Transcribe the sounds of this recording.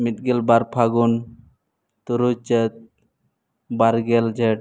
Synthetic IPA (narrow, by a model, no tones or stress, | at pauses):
mit̪̚ɡɛlbaɾpʰaɡun | t̪uɾut͡ʃət̪̚ | baɾɡɛld͡ʒɛʈ